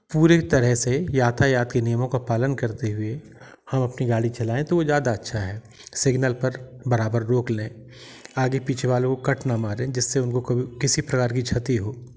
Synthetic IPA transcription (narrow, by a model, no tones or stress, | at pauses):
puːɾet̪ɐɾɛɦsejaːt̪ʰajaːt̪kenɪjəmõkapaːlənkɐɾt̪eɦʊe | hɐmɐpniɡaːɽit͡ʃɐlaːẽt̪oʋozjaːd̪aɐtːʃʰaɦɛː | sɪɡnəlpɐɾbɐɾaːbəɾːoːklẽː | aːɡepiːt͡ʃʰeʋaːlõkokɐʈnamaːɾẽːd͡ʒɪsːeʊnkokɐbʱikɪsipɾɐkaːɾkit͡ʃʰɐt̪iɦoː